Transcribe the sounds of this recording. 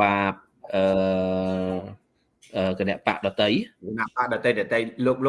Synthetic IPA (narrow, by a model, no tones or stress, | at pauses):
aːp̚ | ʔəː | ʔəːkənɛ̆əʔpa̰ʔɗɑt̪əjkənaʔpaʔɗɑt̪əjɗɑt̪əjloːk̚lo